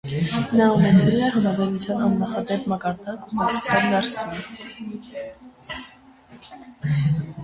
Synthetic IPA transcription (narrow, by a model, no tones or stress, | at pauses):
nɑunɛt͡sʰɛliɛɦɑmɾɑzɑjnut͡sʰjɑnɑnːɑχɑd̪ɛpʰmɑkɑɾd̪ɑkusɑkut͡sʰjɑnd̪ɑɾsɔɾ